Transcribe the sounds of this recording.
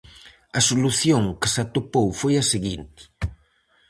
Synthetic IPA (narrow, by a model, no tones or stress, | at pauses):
ɐsoluθjoŋkɪsat̪opowfojɐseɣint̪ɪ̥